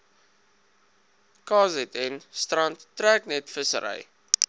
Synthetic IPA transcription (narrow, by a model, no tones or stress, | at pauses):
kɑːzɛtɛnstrɐntːræːknɛtfəsə̰ɾə̰j